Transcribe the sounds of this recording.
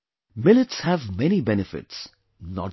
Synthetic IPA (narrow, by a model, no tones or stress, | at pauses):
mɪlɪtshævmɛnibɛnɨfɪ̰ʈs | nɔ̰